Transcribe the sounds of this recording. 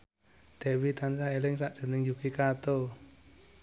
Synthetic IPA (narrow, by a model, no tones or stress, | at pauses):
d̪̥e̤wit̪ansaelɪŋsaʔd̥ʒ̥o̤nɪŋjukikat̪o